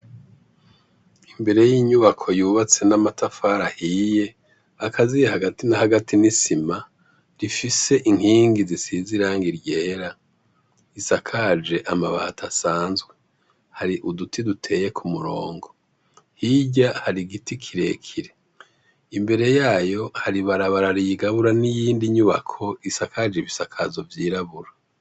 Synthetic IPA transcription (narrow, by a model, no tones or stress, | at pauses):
imbe̞ɾe̞jiːɲuβakʰo̞juːβat͡se̞namatafaɾahije̞ | akʰazijehaɡatinahaɡatinisima | ɾifise̞ʔiŋ̥hiːŋɡizisiziɾaːŋɡiɾɟeːɾa | isakʰad͡ʒe̞ʔamaβahatʰasaːnzɡwe | haɾiʔudutʰidutʰe̞ːje̞kʰumuɾoːŋɡo̞ | hiɟahaɾiɡitikʰiɾe̞kʰiɾe̞ | imbe̞ɾe̞jaːjo̞haɾiβaɾaβaɾaɾiɡaβuɾanijiːndiɲuβa̰kʰo̞isakʰad͡ʒeβisakʰazo̞vjiːɾaβuɾa